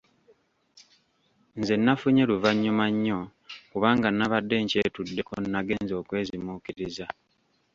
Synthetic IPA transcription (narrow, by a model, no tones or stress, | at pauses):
nze̞nːafuɲeluvaɲːumaɲːo̞kuβaːŋɡanːaβadːe̞ɲce̞ːtudːe̞konːaɡe̞nzo̞ːkwe̞ːzimuːkiɾiza